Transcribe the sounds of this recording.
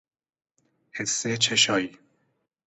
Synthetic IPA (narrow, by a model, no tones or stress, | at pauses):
hesːet͡ʃʰeʃɒːiː